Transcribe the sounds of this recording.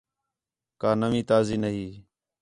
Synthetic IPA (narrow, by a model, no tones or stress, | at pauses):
kaːnəmĩːt̪aːziːnəɦiː